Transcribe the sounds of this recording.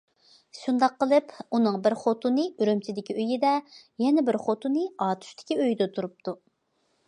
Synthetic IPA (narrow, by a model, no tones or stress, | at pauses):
ʃund̪ɑqːəlˠɨpunɨŋbɪɾχot̪unɨyɾømt͡ʃʰɪd̪ɪkʲiøjid̪ɛjɛnɛbɪɾχot̪unɨɑːt̪ʰy̥ʃt̪ʰɪ̥kʲiøjd̪ɛt̪ʰuɾup̚t̪ʰu